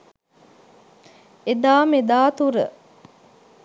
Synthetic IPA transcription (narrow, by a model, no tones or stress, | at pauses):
ed̪aːmed̪aːt̪uɾə̰